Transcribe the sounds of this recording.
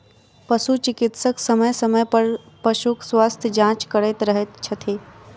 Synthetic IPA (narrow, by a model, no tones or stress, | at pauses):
pɐʃut͡ʃɪkɪt̪səksɐməjsɐməjpɐɾ | pəʃukswaːst̪ʰjəd͡ʒãːt͡ʃkəɾet̪ɾəɦet̪t͡ʃʰɐt̪ʰeː